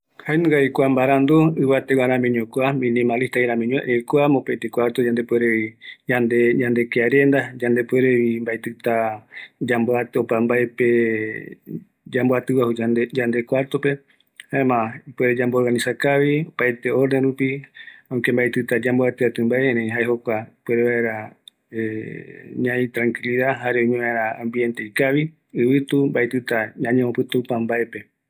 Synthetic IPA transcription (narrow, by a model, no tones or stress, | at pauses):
haenũɡaikʷambaɾand̪oɨβat̪ewaɾãmĩɲõkʷamĩnĩmaliht̪aiɾãmĩɲõḛʔejkwamopejt̪ekwʷaɾt̪od͡ʒand̪epueɾeβid͡ʒãnd̪eɲãnd̪e̞keaɾend̪ad͡ʒãnd̪epueɾeβimbaet̪ɨt̪ad͡ʒamboat̪opambaepe | d͡ʒamboat̪ɨwahud͡ʒaned͡ʒand̪ekwaɾt̪ope̞ | haemãipweɾed͡ʒambooɾɡanĩsakaʋiopaet̪e̞oɾneɾupiãkembaet̪ɨt̪ad͡ʒamboat̪ɨat̪ɨmbaeẽɾẽĩɦaeɦokʷapweɾeβaeɾa | e | ɲãĩt̪ɾãŋkiliðaɦaɾeoɲũaeɾããmbie̞nt̪e̞ikaʋi | ɨβɨt̪umbaet̪ɨt̪aɲãɲẽopɨt̪uupãmbaepe̞